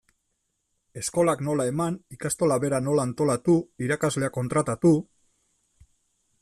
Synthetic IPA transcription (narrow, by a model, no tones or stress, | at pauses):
e̞sko̞lakno̞lae̞manikast̪o̞laβe̞ɾano̞laːnt̪o̞lat̪uiɾakazle̞ako̞nt̪ɾat̪at̪u